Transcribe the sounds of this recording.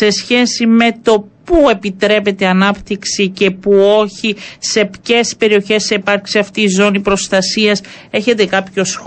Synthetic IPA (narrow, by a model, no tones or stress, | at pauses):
e̞sçe̞sime̞t̪o̞pue̞pit̪ɾe̞pe̞t̪eɐnɐpt̪iksice̞puo̞çise̞pce̞spe̞ɾio̞çe̞seipɐɾksiɐft̪iːzo̞nipɾo̞st̪ɐsiɐse̞çe̞t̪e̞kɐpço̞s